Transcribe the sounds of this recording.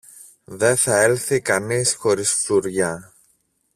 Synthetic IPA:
ðe̞θɐe̞lθikɐnisxo̞ɾisfluɾʝɐ

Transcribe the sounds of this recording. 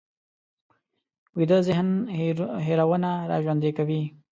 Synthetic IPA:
wid̪əzɪhn | ɦeɾawənaɾɑ̰ʒwand̪ekawi

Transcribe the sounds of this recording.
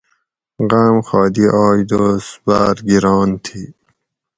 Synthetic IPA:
ɣamxɑːd̪iʔɑːjd̪osbaːɾɡiɾɑːnt̪ʰi

